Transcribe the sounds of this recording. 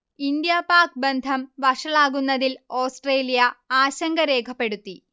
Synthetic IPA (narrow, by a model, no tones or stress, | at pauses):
ind̪japaːk̚be̞nd̪ʱɐmʋɐʂɐɭaːɣunːɐðilo̞ːsʈre̞ːlijɐaːɕɐŋɡɐɾe̞ːkʰɐpːe̞ɽut̪ːi